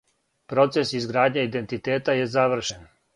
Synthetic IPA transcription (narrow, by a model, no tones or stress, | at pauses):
pɾo̞t̪se̞sizɡɾaːd̪ɲeid̪e̞nt̪it̪eːt̪ajezaʋr̩ʃen